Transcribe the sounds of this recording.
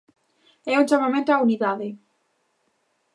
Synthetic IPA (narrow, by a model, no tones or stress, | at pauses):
ɛund͡ʒamamẽnt̪oauniðaðe